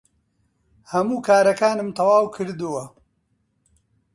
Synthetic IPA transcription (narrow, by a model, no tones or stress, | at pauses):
hɐmuːkʰaːɾɐkaːnɨmt̪ʰɐwaːwkʰɨɾd̪ɨwɐ